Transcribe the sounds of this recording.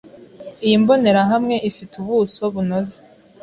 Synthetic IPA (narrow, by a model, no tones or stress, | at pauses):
ijimbo̞ne̞ɾaɦamŋe̞ʔifituβuːso̞βunoze